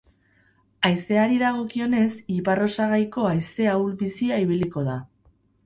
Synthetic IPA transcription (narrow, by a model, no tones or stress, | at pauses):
ajse̞aɾiðaɣ̞o̞kio̞ne̞siparo̞saɣ̞ajko̞ajse̞awlβisiaiβ̞iliko̞ð̞a